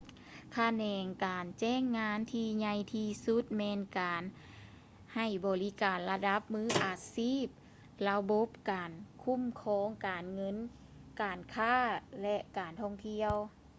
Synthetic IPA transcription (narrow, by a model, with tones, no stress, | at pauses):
kʰa˧nɛː˨ŋkaː˨˩nt͡ɕɛː˥˩ŋːaː˧˥˨nt̪ʰiː˧ɲa˧jt̪ʰiː˧su˧˦˥t̪̚mɛː˧nkaː˨n | ha˧˩jbɔː˨˩li˦kaː˨˩nla˧da˧˥p̚mɯː˧˥˩ʔaː˨˩siː˥˩˨p̚ | la˧bo˧˦˥p̚kaː˨nkʰu˧˥˨mkʰɔː˧˥ŋkaː˨˩nŋɤ˧˥˨n | kaː˨˩nkʰaː˧˥˩lɛ˧ʔkaː˨˩nt̪ʰɔː˧˥˩ŋt̪ʰi˧əw